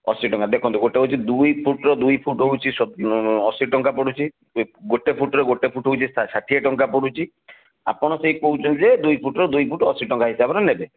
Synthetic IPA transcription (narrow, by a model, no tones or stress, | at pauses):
ɔsiʈɔŋkad̪ekʰɔnt̪uɡoʈeɦowt͡ʃʰid̪ujpʰuʈɾɔd̪ujpʰuʈɦoɦwt͡ʃʰisɔɔsiʈɔŋkapɔɽut͡ʃʰi | ɡoʈepʰuʈɔɾeɡoʈepʰuʈɦowt͡ʃʰissat̪ʰiɔʈɔŋkapɔɽut͡ʃʰi | a̰pɔɽ̃ɔsejpoɦut͡ʃʰɔnid͡ʒed̪ujpʰuʈɔɾɔd̪ujpʰuʈɔsiʈɔŋkaɦisabɔɾenebe